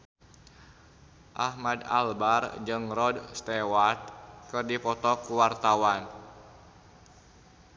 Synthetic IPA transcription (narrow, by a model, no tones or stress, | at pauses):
ʔahmada̰lbard͡ʒɨŋrɔdst̪ɛwart̪̚kɨrdipɔt̪ɔkuwart̪awan